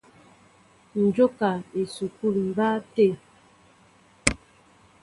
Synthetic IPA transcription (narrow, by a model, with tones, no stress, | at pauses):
n̩˨d͡ʒo˦ka˨e˨su˨ku˦li˨m˨ba˦te˦˨